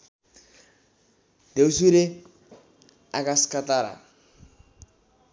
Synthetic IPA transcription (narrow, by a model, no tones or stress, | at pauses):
deusiɾe | akaskataɾa̰